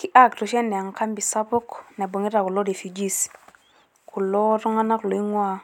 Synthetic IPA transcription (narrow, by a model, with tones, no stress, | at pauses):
ki˦ʔa˦ktu˨ʃɛ˦nːɛ˨a˨ŋka˦mbi˨sa˦pʊ˦knɛ˨bo˨ŋi˦ɾa˨ku˨lo˦de˨fi˨d͡ʒi˦s | kʰu˨lo˦tu˦ŋa˦na˦ku˨lo˨i˦ŋwa˦